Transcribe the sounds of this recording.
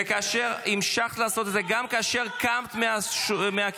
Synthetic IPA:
ekaːʃeʁimʃaχt̪laːso̞t̪edze̞ɡamkaːʃe̞ʁkamt̪meaʃmeak

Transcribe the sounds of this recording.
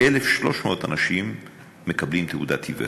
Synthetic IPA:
elefʃlo̞ʃmeot̪anaʃimː | e̞kɐblimt̪eud̪at̪ʰivḛ

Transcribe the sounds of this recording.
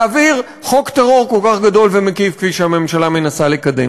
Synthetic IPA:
aviʁ | χo̞kt̪aʁo̞ʁko̞lkaχɡad̪o̞lvemekifkviʃeame̞mʃalamenasalikad̪ḛm

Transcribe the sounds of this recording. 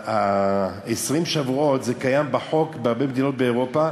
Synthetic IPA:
a | esʁimʃavuo̞t̪zekajambaħo̞kbeaʁbe̞med̪ino̞t̪̚beːʁo̞pa

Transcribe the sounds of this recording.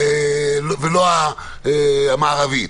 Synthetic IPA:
elveloa | eamaːʁavi

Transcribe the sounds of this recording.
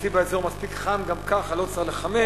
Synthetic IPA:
sibaezoʁmaspikχamɡamkaχalot͡saχleχame

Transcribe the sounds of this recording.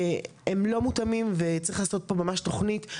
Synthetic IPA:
emlo̞mutamimvet͡saʁiχlaːso̞t̚po̞mamaʃto̞χnit

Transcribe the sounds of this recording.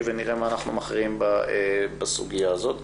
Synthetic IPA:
veniʁemaːnaχnumaχʁiimbaebasuɡijaːzot̪

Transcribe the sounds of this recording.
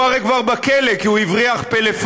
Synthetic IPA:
aʁekvaʁbakelekiuivʁiaχpelef

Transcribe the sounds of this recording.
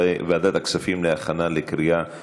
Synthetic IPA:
evead̪at̪aksafimleaχanalekɾia

